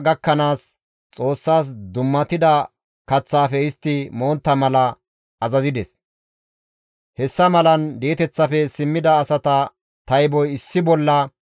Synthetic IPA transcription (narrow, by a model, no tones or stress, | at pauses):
ɡɐkːɐnaːs | t͡sʼo̞ːsːaːs̬d̪ʊmːɐt̪ɪd̪ɐ | kɐt͡sːaːfɛɪst̪ːɪmo̞ːnt̪ːɐmɐlɐ | ɐzɐzɪd̪ɛs | hɛsːɐmɐlɐnd̪eːt̪ɛt͡sːɐfɛsɪmːɪd̪ɐːsɐt̪ɐ | t̪ɐjbɔjɪsːɪbɔlːɐ